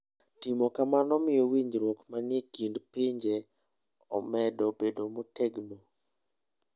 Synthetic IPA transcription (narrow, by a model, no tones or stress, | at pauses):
timokamanɔmɪjɔwiɲd͡ʒɾwokmanɪekindpɪɲd͡ʒe | ɔ̰mɛdɔbedomotʰɛɡno